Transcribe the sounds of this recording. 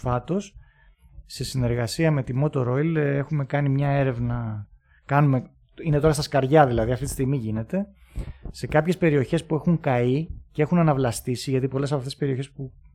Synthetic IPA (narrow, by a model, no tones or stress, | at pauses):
fɐt̪o̞sː | e̞sine̞ɾɣɐsiɐme̞t̪imo̞t̪o̞ɾo̞ile̞xume̞kɐnimɲɐe̞ɾe̞vnɐ | kɐnume̞ | ine̞t̪o̞ɾɐst̪ɐskɐɾʝɐðilɐðiɐft̪it̪i̥st̪iɣmiʝine̞t̪e̞ | se̞kɐpçe̞spe̞ɾio̞çe̞spue̞xuŋkɐicee̞xunɐnɐvlɐst̪isiʝɐt̪ipo̞le̞sɐpɐft̪espeɾio̞çe̞spu